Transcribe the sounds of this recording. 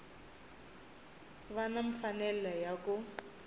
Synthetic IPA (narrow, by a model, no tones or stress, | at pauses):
βanaɱ̩fanɛlɛjakʼʊ